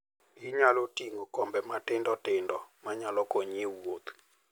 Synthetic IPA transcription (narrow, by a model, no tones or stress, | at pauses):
ɡɪɲalotiŋokɔmbɛmatɪndɔtɪndɔmaɲalɔkoɲiwot̪